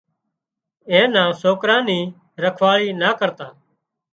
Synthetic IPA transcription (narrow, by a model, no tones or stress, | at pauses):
ẽːnãːsoːkɾãːnĩː | ɾəkʰʋaːɭiːnaːkəɾt̪aː